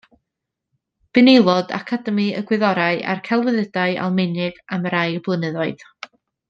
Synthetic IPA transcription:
b̥ɨnelˠɔda̰kʰadəmiə̰ɡwɪðɔɾaɨʔa̰rkʰɛlˠwəðədaɨʔa̰lˠmɪnɪɡ̥amɾaɨəblˠənəðɔɨð̥

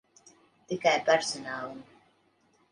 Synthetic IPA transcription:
t̪ikajpæɾsɔnaːlˠum

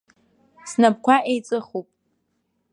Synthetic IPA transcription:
snab̚kʷʰaʔejt͡sʼɨχupʼ

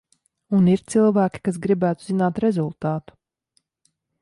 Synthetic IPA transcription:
uniɾt̪silˠvæːkʲi̥kas̬ɡɾibæːt̪uzinaːt̪ɾezulˠt̪aːt̪u̥

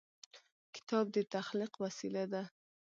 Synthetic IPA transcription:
kɪ̥t̪ɑb̚d̪ət̪axliqwasilad̪a

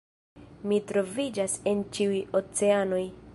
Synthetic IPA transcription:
mitɾo̞vid͡ʒase̞nt͡ʃiujot͡se̞ano̞j

